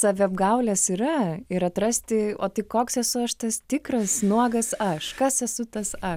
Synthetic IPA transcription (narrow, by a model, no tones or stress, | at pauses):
sɑːʋʲɪɐbɡɐʊlʲɛsiɾɐɪɾɐt̪ɾɐsʲt̪ʲɪoːt̪ɐɪkoːksɛsʊɐʃt̪ɐst̪ʲɪkrɐsnuɔɡɐsɐʃkɐsɛsʊt̪ɐsɐʃ